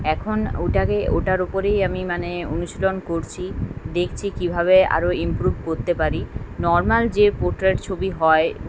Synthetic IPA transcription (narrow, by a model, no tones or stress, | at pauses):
ɛkʰonuʈaɡeo̰ʈaɾupoɾejamimaneonuʃilonkoɾt͡ɕʰid̪ekʰt͡ɕʰikibʱaβea̰ɾoimpɾubʱkoɾt̪epaɾinɔɾmald͡ʑepoɾʈɾeʈt͡ɕʰobiɦɔe